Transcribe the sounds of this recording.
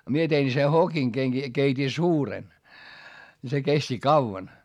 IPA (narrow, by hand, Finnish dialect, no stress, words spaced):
mie tein se hokiŋ keŋki keitʲi suːren ni se kesti kɑuʋɑn